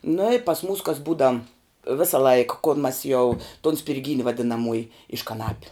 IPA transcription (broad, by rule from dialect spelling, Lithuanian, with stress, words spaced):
nʊ ɪ pɐs muːs kɐs ˈbuːdɐ ˈʋʲeːsɐ lˠɐɪk koːlˠ mɐs jɛʊ tʊn sʲpʲɪrʲˈɡʲiːnʲɪ ʋɐdʲɪnɐˈmuɔjɪ ɪʃ kɐˈnɑːpʲʊ